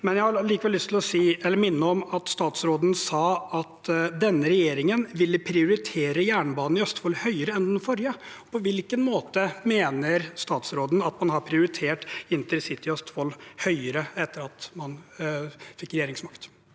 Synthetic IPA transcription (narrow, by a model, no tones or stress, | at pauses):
mɛnjæɪhɑɭiːkəʋɛlːʏst̪ʰɪlɔsiːɛlːəɾmɪnːəɔmɑt̪st̪ɑːt̪sɾoːd̪n̩sɑːɑt̪d̪ɛnːəɾɛjeːɾɪŋənʋɪlːəpʰɾɪʊɾɪt̪ʰeːɾəjæːɳbɑːnn̩ɪœst̪fɔlːhœʏəɾəɛnd̪ɛnfɔɾjə | pʰɔʋɪlkənmoːt̪əmeːnəɾst̪ɑːt̪sɾoːd̪n̩ɑt̪mɑnhɑpʰɾɪʊɾɪt̪ʰeːʈɪnt̪əɾɛsɪt̪ːɪœst̪fɔlhœʏəɾəɛt̪ːəɾɑt̪mɑn | fɪkːɾɛjeːɾɪŋsmɑkt̪